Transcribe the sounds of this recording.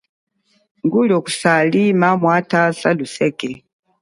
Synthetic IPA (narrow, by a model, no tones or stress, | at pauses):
ŋɡulɔku̥salimamwatasalusɛkɛ